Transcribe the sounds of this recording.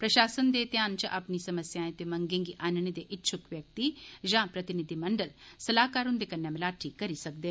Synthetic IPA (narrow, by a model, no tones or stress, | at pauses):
pɾəʃaːsənd̪eːt̪jaːnt͡ʃʔapnisɐməsjãːet̪emɐ̃ŋɡẽːŋɡiʔaːnñed̪eʔɪtːʃʰʊkʋjək̚t̪id͡ʒãːpɾɐt̪ɪnɪd̪imɐɳɖəlsɐlaːkaːɾɦʊ̃nd̪ekənːemɪlaːʈʰikɐɾisɐk̚d̪eː